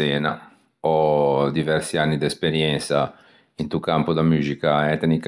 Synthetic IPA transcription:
ɛːna | ɔd̪ivɛɾsianːid̪ɛspeɾjɛnt̪sa | int̪ukampod̪amyːzikaɛt̪nik

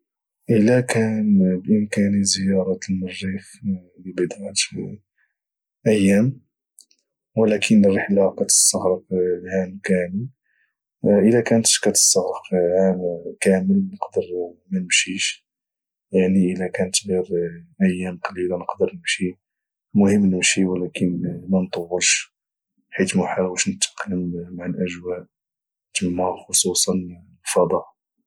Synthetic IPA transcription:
ʔəlækænbʔəmkænizəjɑɾˤɑt̪əlmɑrːix | libəd̪ʕt̪ | ʔəjːæm | wəlækʰənərˤːəħlaqæt̪ə̥st̪ɑɣɾəflʕamkæməl | ʔəlækænt̪ə̥ʃkæt̪ə̥st̪ɑɣɾəfʕankæməlnəqd̪əɾmænəmʃiʃ | jaʕniʔəlækænət̪ɣiɾʔæjːæmqɑlilanəqd̪əɾnəmʃi | mʊhəmːnəmʃiwəlækənmænt̪ˤɑwːəlʃ | ħit̪mʊħawəʃnət̪ːə̥qləmmaʕalʔəʒwæʔ | t̪əmːæxosˤusˤɑnlfɑd̪ˤɑʔ

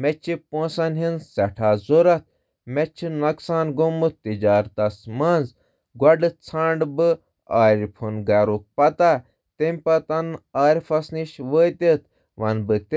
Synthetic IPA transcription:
met͡ʃʰipõːsɐnɦinsɐʈʰaːzoɾɐt̪̚ | met͡ʃʰinɐksaːnɡomɨt̪id͡ʒaːɾd̪ɐsmɐːnz | ɡwɐɖɨt͡sʰãːɳɖbɨ | aːɾʲpʰunɡɐɾuk̚pɐt̪aː | t̪emʲpɐt̪ɐnaːɾʲfʰɐsniʃʋəːt̪et̪ | ʋɐnbɨt̪

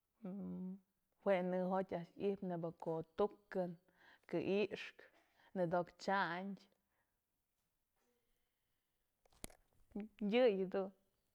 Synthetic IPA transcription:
hweʔnɨɦot̪ʲaʔʃipnebɨkoʔt̪ukɨn | kɨʔiʔʂk | nɨd̪okt͡ʃaɲdʲ | jɨjd̪un

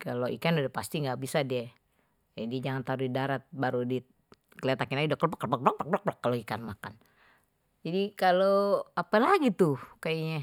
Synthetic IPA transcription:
kaloʔḭkanudɛpast̪iŋɡabisadia | adid͡ʒaŋant̪aɾudidaɾat̪̚baɾudi | kəlet̪akɪnaidɔk̚ɔpakːbak̚blak̚bak̚blak̚blakːaloikanmaka̰n | d͡ʒadikaloapalaɡit̪ukaiɲa

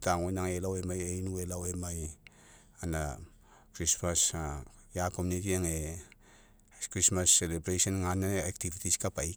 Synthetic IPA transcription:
taŋwenaŋelawemajejnuelawemaj | ana̰ | kɾismasjakomunitiaŋe | kɾismasːelebɾesonŋanaak̚tivitiskapaj

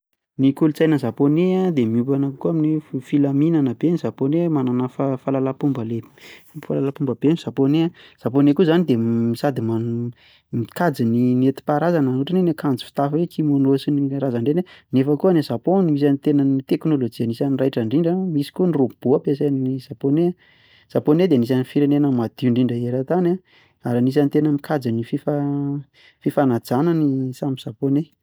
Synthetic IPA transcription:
nikulut͡sajnəzaponead̪emiupanakkuaminiffilaminanəbeniz̥aponemananafafalalapumbəle̥falalapumbəbenz̥aponeaz̥aponekuzanid̪emisad̪ima | mikad͡zininet̪i̥paɾazananuʈ͡ʂanenekand͡zi̥fi̥t̪afiɾekʰimonosiniɾazaɳɖ͡ʐenenefəkuanezaponimis̬anit̪enənit̪eknolod͡ʒianisanirajʈ͡ʂaɳɖ͡ʐiɳɖ͡ʐəmisi̥kunirob̥uapes̬annizapone | z̥aponed̪enisanifiɾenenəmad̪̥iɳɖ͡ʐiɳɖ͡ʐəeɾat̪ana | aɾanis̬anit̪enəmikʰad͡zinififa | fifanad͡zanənisamiz̥apone

